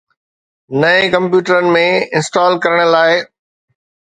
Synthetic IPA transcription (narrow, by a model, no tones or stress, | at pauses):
nɐẽkɐ̃mpjuːʈəɾənɪ̆mẽɪ̃nsʈaːlkɐɾəɽ̃ə̆laːɪ